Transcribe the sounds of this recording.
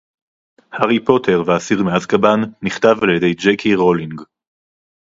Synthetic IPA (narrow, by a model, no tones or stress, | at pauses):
haʁipo̞tʰe̞ʁveasiʁmeazkabanːiχtavaljede̞jd͡ʒekʰiʁo̞liŋɡ